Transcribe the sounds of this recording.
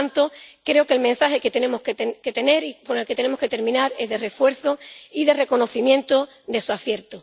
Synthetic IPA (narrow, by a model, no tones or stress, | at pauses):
nt̪okɾe̞okelmẽnsaxe̞ket̪e̞ne̞mohk̪ke̞t̪e̞ne̞ɾipone̞lket̪e̞ne̞moske̞t̪e̞ɾmĩnaɾe̞zðe̞re̞fwe̞ɾθoiðe̞re̞ko̞no̞θimjẽ̞nt̪o | ðe̞suaθje̞ɾt̪o